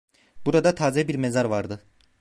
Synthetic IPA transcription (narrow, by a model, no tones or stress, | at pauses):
b̥uɾad̪at̪ʰaːzɛbiɾmezaɾvaɾd̪ɯ